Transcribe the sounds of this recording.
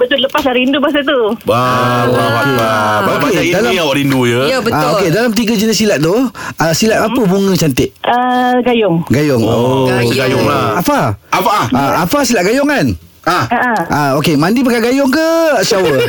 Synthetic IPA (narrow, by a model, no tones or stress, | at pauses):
bət̪ʊtləpaslaɾindubas̬ət̪ubaaaabokedalaawaɾindujəəbətaokedalamt̪̬iɡəd͡ʒənɪsilat̪̚t̪ʊhəsilat̪apəbuŋə̃t͡ʃant̪ɪʔəɡajɔŋɡajʊŋoɡajɔŋaafaafaaafasilaʔ̚ɡajɔŋan | aəʔəʔaokemandip̬əkaɡajɔŋkəsawə